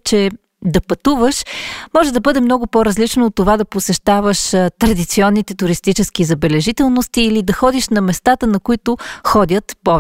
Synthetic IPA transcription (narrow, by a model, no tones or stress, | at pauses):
t͡ʃɛ | d̪ɐpɐt̪uvəʃmɔʒɛd̪ɐbɤd̪ɛmnɔɡʊpoɾɐzlit͡ʃnoːt̪ːovad̪ɐposɛʃt̪avəʃt̪ɾɐd̪it̪siɔnːit̪ɛt̪ʊɾist̪it͡ʃɛskizɐbɛlɛʒit̪ɛlˠnost̪iːlid̪ɐxɔd̪iʃnɐmɛst̪at̪ənɐkʊit̪ʊxɔd̪ʲət̪pɔv